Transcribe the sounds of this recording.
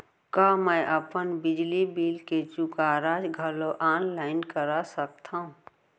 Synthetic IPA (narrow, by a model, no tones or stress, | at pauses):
kaməjʔəpənbɪd͡ʒlibiːlked͡ʒukaɾad͡ʒɡʱəloʔaːnlaɪnkəɾasək̚t̪ʰaɦũ